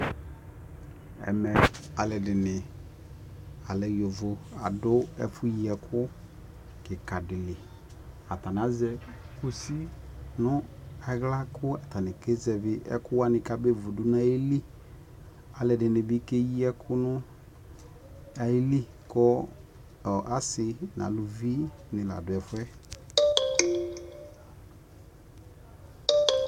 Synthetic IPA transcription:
ɛ̰˨mɛ˨a˨lɛ˨dɪ˨nɪ˨ | a˨lɛ˨jo˨vʊ˨a˨dʊ˦ɛ̰˦fʊ˦ji˨ɛ˨kʰʊ˦ | kɪ˨ka˨dɪ˨lɪ˨ | a˨ta˨n˨a˨˦zɛ˦ | ku˨si˦nʊ˦ɛ˨ɣla˦kʊ˦a˨ta˨nɪ˨ke˦zɛ˨vɪ˦ʔɛ̰˦kʊ˦wa˦nɪ˨ka˨be˦vo˨dʊ˨n˦a˦ji˦li˦ | a˨lɛ˨dɪ˨nɪ˨bɪ˦ke˦ji˦ɛ˦kʰʊ˦nʊ˦ | a˨ji˦li˦ | kɔ˦ | ɔ˨ʔa˨˦sɪ˨na̰˨˦lu˨vi˦nɪ˨la̰˨dʊ˨ɛ˨fʊ˦ɛ˦

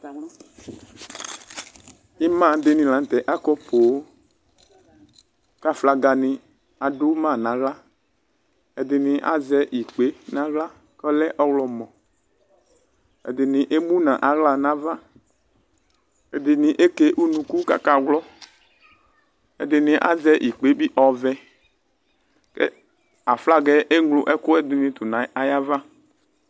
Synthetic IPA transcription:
i˦mã˦˨dɪ˨nĩ˨lã˨n˨t̪ɛ˨ʔa˦kɔ˦po˨o˦ | ka˦fla˨ɡa˨nɪ̃˨ | a˨do˦mã˦˨nã˨ɣla˦ | e˨dɪ˨nĩ˨ʔa̰˨zɛ˦ʔi˨k͡pe˨˦nã˨˦ɣla˦ | kɔ˦lɛ˦ʔɔ˦wlɔ˨mɔ̃˨ | ɛ̰˨d̪ɪ˨nĩ˨ʔe˦mũ˦nã˨ʔa˨ɣla˨nã˨˦va˦ | e˨d̪ɪ˨nĩ˨ʔe˦ke˦ʔu˦nũ˧ku˦ka̰˦ka˨ɣlɔ˦ | ɛ˨d̪ɪ˨nĩ˨ʔa̰˦zɛ˦ʔi˨k͡pe˨˦bi˦ʔɔ˨vɛ˦ | kḛ˦ | a˨fla˦ɡɛ˨ʔe˦ŋlʊ˨ʔɛ˦kʊ˦ɛ˦d̪ɪ˨nĩ˧t̪u˨nã˨˦a˨ja˦va˦

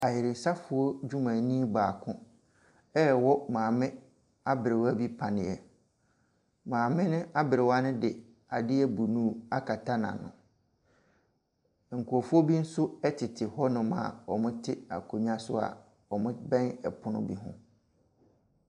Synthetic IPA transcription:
a˨jɪ˨ɾɪ˨n̩˨sa˦fʊ˨ɔ˦d͡ʑᶣu˦mã˨nĩ˦baː˨kʰʊ̃˦ | ɛ˦˨wɔ˦mãː˨mɪ̃˦ | a˦bɪ˨ɾɪ˨wa˦bi˦pʰã˨nɪ̃˨ɛ˨ | mãː˨mɪ̃˦nʊ̃˦ʔa˦bɪ˨ɾɪ˨wa˦nʊ̃˦dɪ˨ | a˨dɪ˦ɛ˦bu˨nũ˦a˦kʰa˨tʰa˦nã̰˨nʊ̰̃˨ | ŋ̩˨kʰʊ˨ɔ˨fʊ˦ɔ˦bi˦n̩˦sʊ˦ɛ˦tʰɪ˨tʰɪ˨hɔ˦nʊ̃˨mã̰˦˨ɔ˨mʊ̃˦tʰɪ˦a̰˨kʰo˨ɲ˦a˦sʊ̰˦a̰˨ | ɔ˨mʊ̃˦bɛ̃˦nɛ˨pʰʊ˦nʊ̰̃˦bi˦ɦʊ̰̃˦

